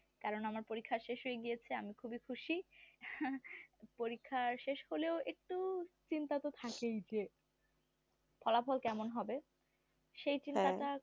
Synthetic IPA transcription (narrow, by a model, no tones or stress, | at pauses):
kaɾonamaɾpoɾikʰːaɾʃeʃɦojeɡijet͡ɕʰeamikʰubikʰuʃi | poɾikʰːaʃeʃholeoek̚ʈut͡ɕint̪at̪ot̪ʰakejd͡ʑe | pʰɔlafɔlkɛmonɦɔbe | ʃejt͡ɕint̪at̪a